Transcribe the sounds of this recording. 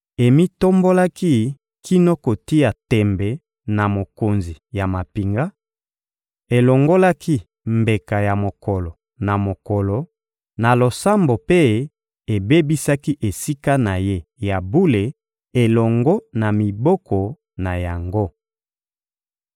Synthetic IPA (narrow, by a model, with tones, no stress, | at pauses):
e˨mi˦to˦mbo˦la˦ki˦ | kʰi˦no˦ko˨ti˦ja˨tɛ˨mbɛ˨ | na˨mo˨ko˨nzi˨ja˨ma˨pi˨ŋɡa˦ | e˨lo˨ŋɡo˦la˦ki˦ | mbe˨ka˨ja˨mo˨kɔ˨lɔ˨ | na˨mo˨ko˨lɔ˨ | na˨lo˨sa˦mbo˨pe˦ | e˨be˦bi˦sa˦ki˦ʔe˨si˦ka˦na˨je˦ja˨bu˦le˨ | e˨lɔ˨ŋɡɔ˦na˨mi˨bɔ˦kɔ˨ | na˨ja˨ŋɡo˦